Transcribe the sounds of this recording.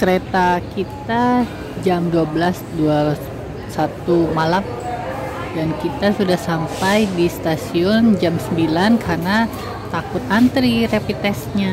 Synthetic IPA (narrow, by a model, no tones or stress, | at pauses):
kəɾet̪akit̪a | d͡ʒamduabəlasdua | sat̪umalam | dankit̪asudahsampajdist̪asiɔnd͡ʒamsəmbilankʰarna | t̪akʊt̪̚ant̪ɾirepit̪ɛsɲa